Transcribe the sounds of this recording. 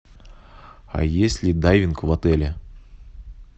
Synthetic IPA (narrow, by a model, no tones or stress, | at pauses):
a̰jesʲlʲɪd̪ajvʲɪnkʊvɐt̪ɛlʲɪ